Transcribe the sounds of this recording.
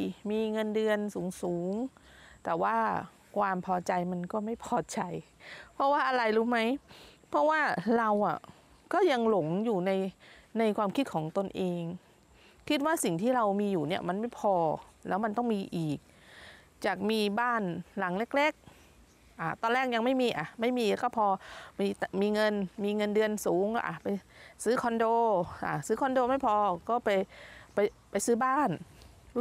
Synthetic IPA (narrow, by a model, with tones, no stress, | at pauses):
miː˧ŋɤ˧ndɯ˧ənsuː˩˦ŋsuː˩˦ŋ | t̪ɛː˨˩waː˥˩ | kʰwaː˧mpʰɔː˧t͡ɕa˧jma˧nkɔː˥˩ma˥˩jpʰɔː˧˩t͡ɕa˧j | pʰɔ˦˥waː˥˩ʔa˧ɾa˧jɾuː˦˥ma˦˥jpʰɔ˦˥waː˥˩ɾa˧wʔa̰˨˩ | kɔː˥˩ja˧ŋlo˨˩˦ŋjuː˨˩na˧jna˧jkʰwaː˧mkʰi˦˥kʰɔː˩˦ŋt̪o˧nʔeː˧ŋ | kʰi˦˥t̪̚waː˥˩si˨˩ŋt̪ʰiː˥˩ɾa˧wmiː˧juː˨˩ni˦˥˩ɐma˧nma˥˩jpʰɔː˧lɛː˦˥wma˧nt̪ɔ˥˩ŋmiː˧ʔiː˨˩k̚ | t͡ɕaː˨˩k̚miː˧baː˥˩nla˨˩˦ŋle˦˥k̚le˦˥˩k̚ | ʔa˨˩t̪ɔː˧lɛː˥˩k̚ja˧ŋma˥˩jmiː˧ʔa˨˩ma˥˩jmiː˧lkɔː˥˩pʰɔː˧miː˧t̪miː˧ŋɤ˧nmiː˧ŋɤ˧ndɯ˧ənsuː˩˦ŋɔ̰˧˩ʔa̰˨˩pa˧jsɯː˦˥kʰɔ˧ndoː˧ʔa̰˨˧˩sɯː˦˥kʰɔ˧ndoː˧ma˥˩jpʰɔː˧kɔː˥˩pa˧jpa˧jpa˧jsɯː˦˥baː˥˩n